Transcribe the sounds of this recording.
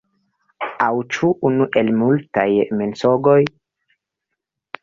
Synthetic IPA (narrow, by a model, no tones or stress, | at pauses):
awt͡ʃuʔːnuʔelmulta̰jmensoɡoj